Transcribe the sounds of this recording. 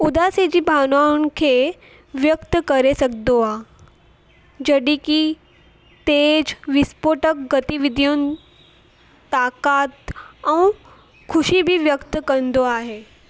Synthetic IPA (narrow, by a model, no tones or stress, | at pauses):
ʊd̪ased͡ʑibʱaːnaunkʰe | ʋjəkt̪kɐɾesɐk̚d̪oaː | d͡ʒɐɽiki | t̪eːd͡ʒʋɪspoːʈək̚ɡət̪iʋɪd̪ʱjun | t̪aːkaːt̪ɐ̃w̃ | kʰʊʃibʱiʋjəkt̪kɐɾnd̪oaːɦeː